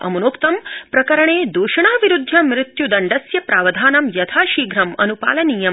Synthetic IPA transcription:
ɐ̰munoːkt̪ɐmpɾɐkɐɾɐɳeːd̪uːʃɐɳaːʋiɾud̪ʱjɐmɾɪt̪jud̪ɐɳɖɐsjɐpɾaːʋɐd̪ʱaːnɐmjɐt̪ʰaːʃiːɡɾɐmɐ̰nupa̰ːlɐniːjɐ

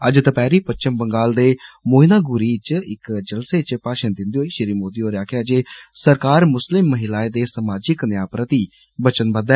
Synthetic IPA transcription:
əd͡ʒt̪əpɛːɾiːpət͡ʃɪmbəŋɡaːld̪eːmoːɪnaːɡʊɾiːt͡ʃɪkd͡ʒəlseːt͡ʃpaːʃənd̪ɪ̃nd̪iɦoːiːʃɪɾiːmoːd̪iːɦoːɾaːkʰeəd͡ʒeːsəɾkaːɾmʊslɪmːəɦɪlaːed̪eːsəmaːd͡ʒɪknɪjaːpɾət̪iː | bət͡ʃənbənd̪aɛː

